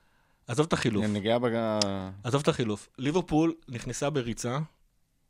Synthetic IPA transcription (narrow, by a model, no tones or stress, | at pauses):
azovt̪aχiluneɡiabeɡaazovt̪aχilufliveʁpulniχnesabeʁit͡sa